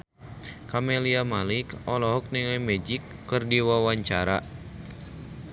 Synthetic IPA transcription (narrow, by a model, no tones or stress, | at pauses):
kamɛliamalikɔlɔɦɔk̚nilɛmɛd͡ʒikːɨrdiwawaɲt͡ʃaɾa̰